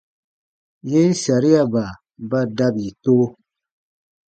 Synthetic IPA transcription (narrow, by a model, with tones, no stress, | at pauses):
je˦sa˨ɾi˦ja˨ba˨ | ba˦da˦bi˨toː˦